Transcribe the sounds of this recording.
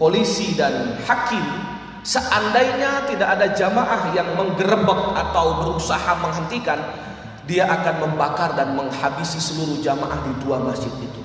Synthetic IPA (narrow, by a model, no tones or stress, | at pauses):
polisidanhakɪm | səʔandajɲat̪idakadad͡ʒamaʔahjaŋməŋɡəɾəbək̚at̪awbəɾusahaməŋɦənt̪ikan | diaʔakanməmbakardanməŋhabisisəluɾuhd͡ʒama̰ʔahdiduamasd͡ʒɪt̪̚it̪u